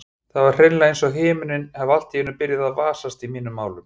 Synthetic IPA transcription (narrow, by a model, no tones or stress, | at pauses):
θaðvaɾ̥r̥ɪnlaejnsɔɦɪːmʏnɪnhɛval̥t̪jɛʏnːʏpɪɾjaðaðvaːsast̪imiːnʏmːaːwlʏm